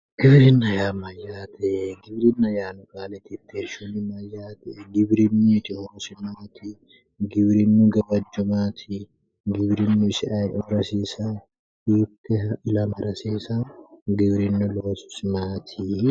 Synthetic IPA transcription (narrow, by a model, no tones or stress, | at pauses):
ɡ̥ɪbɾɪnːɐjaːmɐjːaːt̪ʰɛɡɪbɾɪnːɐjaːnʊkaːlɛt̪ɪt̪ːeɾʃunɪmɐjːaːt̪ɛʔɡɪbɾɪnːit̪ɪhoɾsɪmaːt̪ʰɪ | ɡɪbɾɪnːuɡɐbɐd͡ʒːʊmaːt̪ʰɪ | ɡɪbɾɪnːʊɪsɪʔɐjʔɔɾɐsiːsa | hiːt̪ːɛʔɪlɐmɐɾɐseːsaɡɪbɾɪnːʊloːsʊ̥sɪmaːt̪ʰi